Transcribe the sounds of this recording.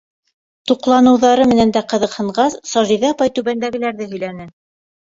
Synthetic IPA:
t̪uqlˠɑnɤ̆wðɑɾɤmɘ̆nænd̪æqɤ̆ðɤ̆qhɤ̆ɴɢɑssɑʒiðɑɑpɑjt̪ʉβænd̪æɡɘ̆læɾðɘɦɵ̆jlænɘ

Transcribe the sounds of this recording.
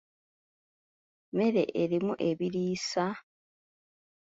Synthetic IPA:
me̞ɾe̞̰ʔeɾimuʔe̞βiɾiːsa

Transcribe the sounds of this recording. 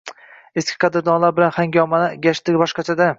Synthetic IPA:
eskʲʰɪ̥qʰɑd̪ɪɾd̪ɒnlaɾbɪlanχaŋɡʲɒmanɪɡʲaʃt̪ɪɡʲbɒʃqɑt͡ʃʰad̪a

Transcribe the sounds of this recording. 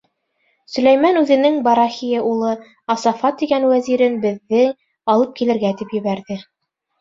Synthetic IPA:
sɵ̆læjmɑnʉðɘ̆nɘŋbɑɾɑxijaulˠɤ | ɑsɑfɑt̪ːiɡænwæziɾɘnbɘ̆ðːɘ | ɑlˠɤp̚kilɘ̆ɾɡæt̪ipjɘ̆βæɾðɘ

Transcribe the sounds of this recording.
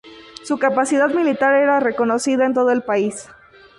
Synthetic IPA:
sukapasiðaðmilit̪aɾe̞ɾare̞ko̞no̞siðaent̪̬o̞ð̞oelpais

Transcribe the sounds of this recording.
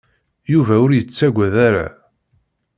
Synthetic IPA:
juvæʊɾjət͡sːæɡʷæðaɾa̰

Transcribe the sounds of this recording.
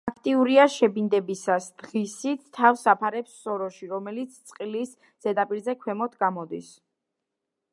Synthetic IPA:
akʰt̪ʼiuɾiaʃɛbind̪ɛbisasd̪̥ʁisit̪t̪ʰːafsapʰaɾɛpsːɔɾɔʃiɾɔmɛlit̪sʰt̪sʼqʼilis | z̥ɛd̪apʼiɾzɛkʰwɛmɔt̪ʰɡamɔd̪is

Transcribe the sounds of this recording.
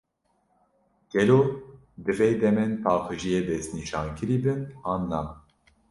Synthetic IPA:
ɡ̥ɛloː | d̪ɨveːd̪ɛmɛnpʰɑːxɨʒijeːd̪ɛst̪niʃɑːnkʰɨɾiːbɨnɑːnːɑː

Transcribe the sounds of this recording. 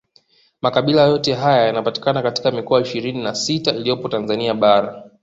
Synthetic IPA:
makaɓilajɔtɛɦajajanapati̥kanakati̥kamikɔaiʃiɾininasitailijɔpɔtanzaniaɓaɾa

